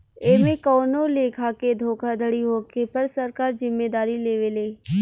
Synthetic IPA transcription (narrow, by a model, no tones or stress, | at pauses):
eːmẽkɔːnoleːkʰaked̪ʱoːkʰad̪ʱəɽiɦoːkepɐɾsɐɾkaːɾzɪmːeːd̪aːɾileːʋeːleː